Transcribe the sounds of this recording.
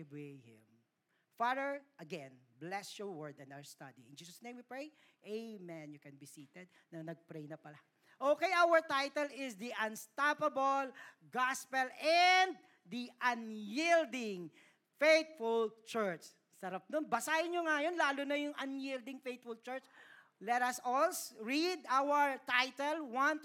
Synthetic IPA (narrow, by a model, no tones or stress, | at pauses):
behɪ̰̃m | fadəɹʔɐɡɛ̃nblɛsjɔɹwɛɹd̪ɛ̃nawəɹst̪ɐd̪iɪ̰nd͡ʒiːsɐsnẽjmwipɹej | ʔemɛ̃njʊkɛnbisiːt̪ɛd̪̚nɐŋnɐɡ̚pɾejnɐpɐla | ʔoːkejʔawəɹt̪ajt̪ɛlɪsd̪iʔɐnst̪apɐbol | ɡaspɛlɛnd̪̚ | d̪iʔɐnjild̪ɪŋ | fejt̪̚fʊlt͡ʃɛɹt͡ʃ | sɐɾap̚d̪onbɐsajɪnɲjoŋajonlaːlonɐjʊŋʔɐnjild̪ɪŋfejt̪̚fʊlt͡ʃɛɹt͡ʃ | lɛt̪ɐsɔlsɹid̪ʔawɛɹt̪ajt̪ɛlwant̪